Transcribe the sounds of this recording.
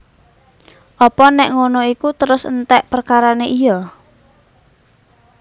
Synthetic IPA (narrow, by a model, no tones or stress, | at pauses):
ʔɔpɔnɛʔŋonoikut̪əɾʊsənt̪ɛʔpərkaɾaneʔijɔ